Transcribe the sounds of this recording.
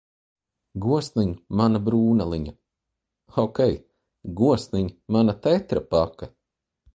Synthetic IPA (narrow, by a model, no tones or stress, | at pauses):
ɡuɔsniɲumanabɾuːnalˠiɲa | ɔkʲɛj | ɡuɔsniɲmanat̪ɛt̪ɾapaka